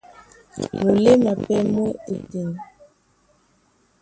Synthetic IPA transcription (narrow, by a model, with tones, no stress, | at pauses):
mo˨le˦ma˨pɛ˦mo˦e˨te˨n